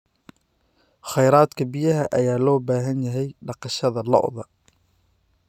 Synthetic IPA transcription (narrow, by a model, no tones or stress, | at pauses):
χɑjɾaːd̪kʰɐbijɐɦɐʔɐjaːlɔːbaːɦɐnjɐɦɛjɖɑqɑʃɐðɐlɔ̰ʔðɐ